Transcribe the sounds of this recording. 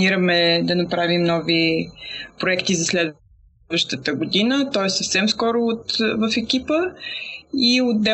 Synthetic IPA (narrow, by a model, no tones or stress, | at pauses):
iɾəmɛd̪ɐnɐpɾavimnɔvi | pɾoɛkt̪izɐslɛd̪ | vəʃt̪ət̪əɡod̪inət̪ɔɛssəfsɛmskɔɾʊːt̪vəfɛkʲipə | iod̪̚d̪ɛ